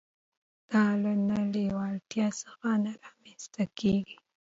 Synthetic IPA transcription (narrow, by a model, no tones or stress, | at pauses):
d̪̥ɑlanalewɑlt̪jɑsḁxanaɾɑmenst̪akeɡi